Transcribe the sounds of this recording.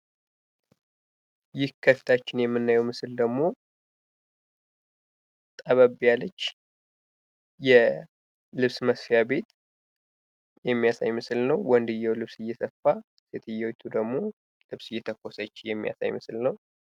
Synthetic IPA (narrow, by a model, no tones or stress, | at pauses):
jɪhkʰəfi̥t̪ʰat͡ʃːɪnjɛmːɨnːajɛwmɨsɨld̪əɡmo̞ | t̪ʼəβəβjalət͡ʃː | jɛ | lɨβsməsfjabe̞t̪ | jɛmːijasa̰jmɨsɨlnəwwɔnd̪ɨjːɛwlɨβsɨjːɛsəfːa | se̞t̪ʰɨjːɛwjt̪ʰud̪əɡmo̞ | lɨβsɨjːɛt̪ʰəkːo̞sət͡ʃːjɛmːija̰sa̰jmɨsɨlnəw